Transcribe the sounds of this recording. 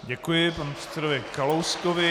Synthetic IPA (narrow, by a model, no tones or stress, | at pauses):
ɟɛkujɪpanɛpr̥ɛ̥t̪sɛdovɪkalowskovɪ